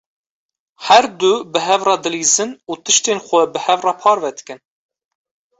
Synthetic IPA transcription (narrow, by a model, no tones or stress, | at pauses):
hæɾd̪ubɨɦɛvrɑːd̪ɨliːzɨnuːt̪ɨʃt̪eːnxʷɛbɨhɛvrɑːpʰɑːɾvɛd̪ɨ̥kɨn